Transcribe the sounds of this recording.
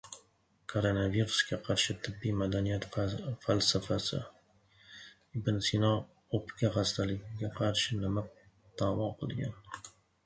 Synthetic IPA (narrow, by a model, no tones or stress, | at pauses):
kʰoɾonaviɾuskʲaqʰɑɾʃɪt̪ʰɪbːijmad̪anijat̪falsafasɪ̰ | bɪnsinɑ | opkʲaʁast̪alɪɡʲɪɡʲaqʰɑɾʃɪnɪma | d̪̥aːwɒqʰɨ̰lˠɡʲa̰n